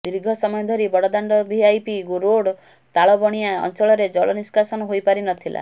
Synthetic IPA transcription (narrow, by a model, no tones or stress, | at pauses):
d̪iɾiɡʱɔsɔmɔjɔd̪ʱɔɾibɔɽɔd̪aɳɖɔbiajpiɡuɾoɽ | t̪aɭɔbɔɽ̃iaɔ̰nt͡ʃɔɭɔɾed͡ʒɔɭɔniskasɔnɔɦojpaɾinɔt̪ʰila̰